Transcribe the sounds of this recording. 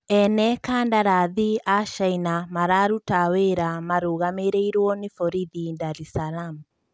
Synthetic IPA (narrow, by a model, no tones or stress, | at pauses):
ɛnɛkaːndaɾaðiaʃainamaɾaɾutaweɾamaɾuːɣameɾeiɾwɔnefɔɾiðindaɾisalam